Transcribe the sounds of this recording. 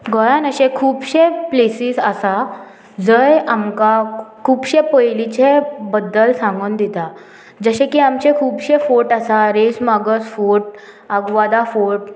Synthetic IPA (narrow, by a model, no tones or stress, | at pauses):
ɡɔjanəɕẽkʰuːbɕẽplesiːsəsa | d͡zəjamkakʰuːbɕepəjlit͡ɕebəd̪ːəlsãŋɡuːnd̪it̪a | d͡zəɕẽkiamt͡ɕẽkʰuːbɕefoʈasaɾesmaɡəsfoʈ̚ | əɡʋad̪afoʈ̚